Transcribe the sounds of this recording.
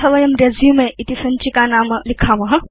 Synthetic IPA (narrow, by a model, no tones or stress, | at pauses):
ɐʋɐjɐmɾezjumẽit̪isɐnt͡ʃikanaːmlikʰamɐɦ